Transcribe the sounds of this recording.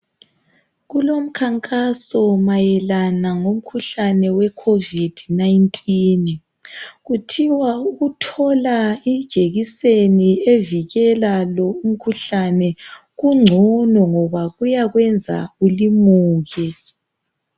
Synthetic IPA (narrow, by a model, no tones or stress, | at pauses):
ɣulom̩kʰaŋkʼasɔmajɛlanaŋom̩kʰuɬanɛwɛkʰovid̥ʱnajintʼin | ɣutʰiwauɣutʰɔlaid̥ʒ̥ʱeɣisenieviɣɛlalɔum̩kʰuɬanɛ | ɣuŋ͡ǀʱɔnɔŋɔβaɣujaɣwɛnd͡zʱa̰ulimuːɣɛ